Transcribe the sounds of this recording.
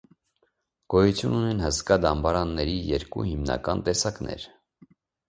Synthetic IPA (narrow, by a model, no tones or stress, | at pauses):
ɡ̥ɔjut͡sʰjununɛnhəskɑd̪ɑmbɑɾɑnːɛɾijɛɾkṵhimnɑ̰kɑnt̪ɛsɑknɛ̰ɾ